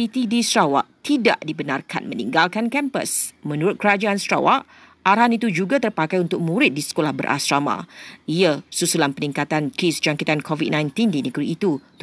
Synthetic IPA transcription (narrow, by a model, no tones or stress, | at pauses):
it̪idisɾawa̰ʔt̪ida̰ʔdibənarkʰa̰nmənḭ̃ŋɡalkankɛmpə̰smə̃nuɾʊt̪̚kəɾad͡ʒaansɾa̰wa̰ʔ | aɾɦanit̪ud͡ʒuɡat̪ərpakajunt̪ʊk̚mũɾɪt̪̚disə̥kolahbə̰ɾʔa̰sɾamã̰ʔiasusulanpəniŋkat̪ankisd͡ʒaŋkit̪ankʰɔvit̚nãjnt̪indinəɡɾiːt̪ut̪